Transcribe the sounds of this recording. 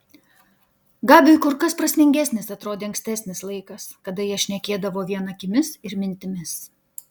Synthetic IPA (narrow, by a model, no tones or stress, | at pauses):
ɡɑːbʲɪkʊɾkɐspɾɐsʲmʲɪŋʲɡʲæsʲnʲɪsɐt̪ɾoːd̪ʲeːɐŋksʲt̪ʲæːsʲnʲɪslˠɐɪkɐskɐd̪ɐjiɛʃʲnʲɛkʲeːd̪ɐʋoːʋʲiɛnɐkʲɪmʲɪsɪɾmʲɪnʲt̪ʲɪmʲɪs